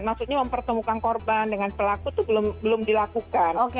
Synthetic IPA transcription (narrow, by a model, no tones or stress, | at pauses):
maksuɲaməmpərt̪əmukankɔrbandəŋanpəlakut̪ubəlʊmbəlʊmdilakukanok